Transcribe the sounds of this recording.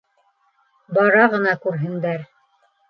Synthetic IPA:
bɑɾɑʁɤ̆nɑkʉɾɦɘ̆nd̪æɾ

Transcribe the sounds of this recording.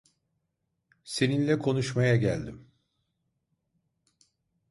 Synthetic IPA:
se̞ninlʲɛkʰo̞nuʃmajaɟælʲd̪im

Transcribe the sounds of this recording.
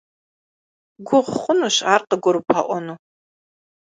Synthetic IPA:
ɡʷʊʁχʷʊnuɕaːrqəɡʷʊɾupʰa̰ʔʷɔnu

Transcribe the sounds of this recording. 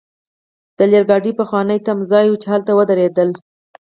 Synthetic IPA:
d̪̥əljaɾɡɑɖipəxwɑnəjt̪amzɑjut͡ʃehalt̪awəd̪aɾed̪əl

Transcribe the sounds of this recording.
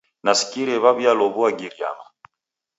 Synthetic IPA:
nasi̥kiɾɛβaβjalɔβuaɡiɾja̰ma

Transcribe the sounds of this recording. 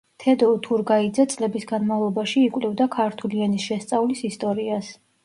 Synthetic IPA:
t̪ʰɛd̪ɔt̪ʰuɾɡaid̪zɛt̪sʼlɛbisɡanmavlˠɔbaʃiːkʼwlɛvd̪akʰaɾt̪ʰulianisʃɛst̪sʼavlisist̪ʼɔɾias

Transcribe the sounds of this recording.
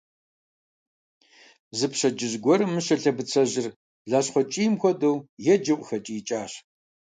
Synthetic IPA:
zɨpɕɐd͡ʒɪʑɡʷɔɾɨmːɨɕɐɬɐbɨt͡sʰɐʑɪr | ɮaːɕχʷɔt͡ʃʼiːmxʷɔdɐwjɛd͡ʒɐʔʷʼʊxɐt͡ʃʼiːt͡ʃʼaːɕ

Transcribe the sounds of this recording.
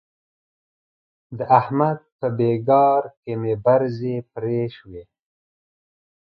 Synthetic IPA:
d̪əʔahmad̪̚pəbeɡɑːɾkemebaɾzepɾeʃwe

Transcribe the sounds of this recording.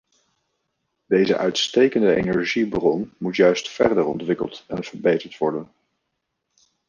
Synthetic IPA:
d̥ejzə̰ʔœɥtstejkəndəʔḛnɛɹʒibrɔnmutjœɥstfɛɹdəɹɔ̰ntʋɪkə̰lˠtɛnv̥əɹbejtəɹtʋɔɹdən

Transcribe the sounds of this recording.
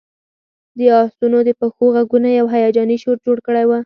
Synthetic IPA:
d̪əɑst̪unod̪əpəxoɣaɡunajawɦajɑd͡ʒɑniʃoɾd͡ʒoɽkəɽajwa

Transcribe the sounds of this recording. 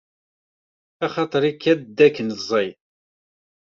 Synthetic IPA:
ɑχɑt̪ˤəɾˤikːæd̪d̪ːækːənzˤəj

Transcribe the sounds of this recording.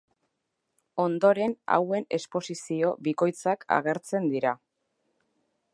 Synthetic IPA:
o̞nd̪o̞ɾe̞na̰we̞ne̞spo̞sisio̞βiko̞jt͡sakʰa̰ɣ̞e̞ɾt͡se̞nd̪iɾa

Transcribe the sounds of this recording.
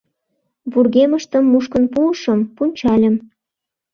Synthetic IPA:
βurɣeməʃt̪əmːuʃkə̆npuʃə̆mpunʲt͡ɕɑlʲə̆m

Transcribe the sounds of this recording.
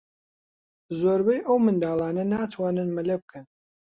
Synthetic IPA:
zoːɾbɛjʔɐwmɨnd̪aːlˠɑːnɐnaːt̪ʰwaːnɨnmɐlɐb̚kʰɨn

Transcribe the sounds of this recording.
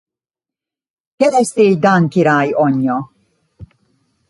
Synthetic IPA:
kɛɾɛst̪eːjd̪aŋkiɾaːjɔɲːɔ

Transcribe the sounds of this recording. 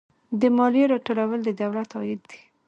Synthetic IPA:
d̪əmɑlijeɾɑʈolawəld̪əd̪awlat̪ɑjɪd̪̚ːi̥

